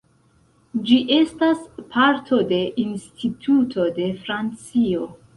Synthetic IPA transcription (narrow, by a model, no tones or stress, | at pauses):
d͡ʒiʔe̞staspʰaɾtʰo̞de̞ʔinstʰitʰutʰo̞de̞fɾant͡sio̞